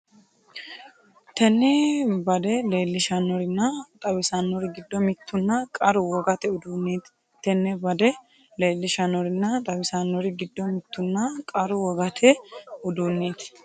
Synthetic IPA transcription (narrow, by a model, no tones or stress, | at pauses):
t̪ɛnːɛbɐd̪ɛle̞ːlːɪʃɐnːɔɾɪnːɐt̪ʼɐbɪsanːɔɾɪɡɪd̪ːɔmɪt̪ːʊnːɐkʼɐɾʊwɔɡɐt̪ɛʊd̪uːnːeːt̪ | t̪ɛnːɛbɐd̪ɛ | le̞ːlːɪʃɐnɔɾɪnːɐt̪ʼɐbɪsanːɔɾɪɡɪd̪ːɔmɪt̪ːʊnːɐkʼɐɾʊwɔɡɐt̪ʰɛʊd̪uːnːeːt̪